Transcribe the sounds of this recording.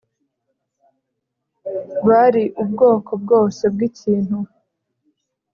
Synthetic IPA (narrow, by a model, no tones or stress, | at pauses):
βaɾiʔubɡo̞ːko̞b̚ɡo̞ːse̞b̚ɡiciːn̥hu